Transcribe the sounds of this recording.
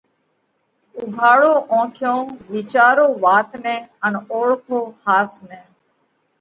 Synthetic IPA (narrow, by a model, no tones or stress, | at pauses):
ʊɡʱaːɭoːʔõːkʰjõːʋiːt͡ʃaːɾoːʋaːt̪nẽːənoːɭkʰoːhaːsnẽː